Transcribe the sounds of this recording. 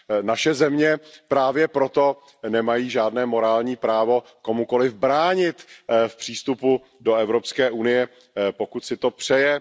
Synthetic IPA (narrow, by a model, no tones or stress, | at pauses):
naʃɛzɛmɲɛpɾaːvjɛpɾo̞t̪o̞ | nɛmajiːʒaːdnɛːmo̞ɾaːlɲiːpɾaːvo̞ko̞muko̞lɪvbɾaːɲɪt̪fpr̥iːst̪upu | do̞ɛvɾo̞pskɛːʔunɪjɛ | po̞kut̪sɪt̪o̞pr̝̥ɛjɛ